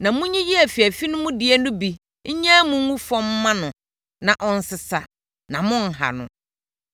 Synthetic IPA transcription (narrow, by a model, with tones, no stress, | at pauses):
nã˨mũ˦ɲĩ˦ji˦æ˨fi˨æ˨fi˦nʊ̃˦mʊ̃˦dɪ˨e˦nʊ̃˦bi˨ | ɲ̩˦ɲã˦mũ˦ŋũ˦fɔ̃˦m˦mːã˦nʊ̃˨ | nã˨ʔɔ˦n̩˦sɪ˨sa˨ | nã˨mʊ̃˦n̩˨ɦa̰˨nʊ̰̃˨